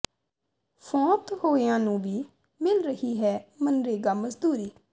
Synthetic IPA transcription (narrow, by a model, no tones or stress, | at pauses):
fʰɔ̃ːt̪hoːɪjãːnũːbiː | mɪlɾəɦiːɦɛːmənɾeːɡaːməzd̪uːɾiː